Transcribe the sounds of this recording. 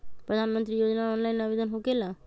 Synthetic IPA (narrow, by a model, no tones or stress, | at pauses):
pɾəd̪ʱanmənt̪ɾijod͡ʒnaɔːnlainabed̪ənɦokela